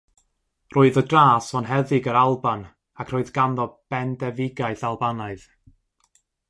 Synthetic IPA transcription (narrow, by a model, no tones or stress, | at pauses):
rʔoːɨðədraːsɔnɦɛðɪɡəɾalˠban | akʰroːɨðɡanðɔb̥ɛndɛvɪɡaɨθalˠbanaɨð